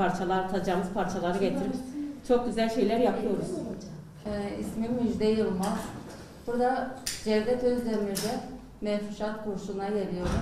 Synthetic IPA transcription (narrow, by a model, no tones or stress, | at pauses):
aɾt͡ʃʰalˠaɾt̪ʰad͡ʒaːmɯz̥pʰaɾt͡ʃʰalˠaɾɯɟet̪ʰiɾiɾt͡ʃʰo̞k̚ɟyzælʲʃe̞jlʲæɾjapʰɯjo̞ɾuz̥ | ɛismimmyd͡ʒd̪ɛjɯlˠmaɾ̥ | buɾd̪ad͡ʒɛɾd̪ɛt̪ʰøzd̪emiɾd̪ɛ | mɛfuʃat̪buɾʃunajeɾijoɾum